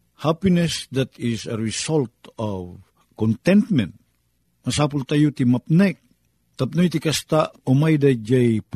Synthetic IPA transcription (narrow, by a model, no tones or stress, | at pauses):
hapinɛsd̪at̪isəɹisɔlt̪ɔv | kɔ̃nt̪ɛ̃nt̪mɛ̰̃nt̪̚ | masapult̪ajut̪imap̚nɛk̚ | t̪ap̚nojt̪ikast̪aomajd̪ad͡ʒejp